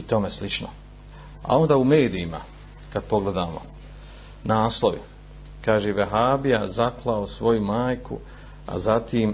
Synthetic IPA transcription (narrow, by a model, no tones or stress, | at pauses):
it̪o̞meslit͡ʃno̰ | a̰o̞nd̪aːume̞ːd̪iima̰ | kad̪̚po̞ɡle̞d̪aːmo̰ | naːslˠo̞ʋḭ | kaːʒeʋeɦaːbijazaklˠaosʋo̞jumaːjkṵ | a̰zat̪iːm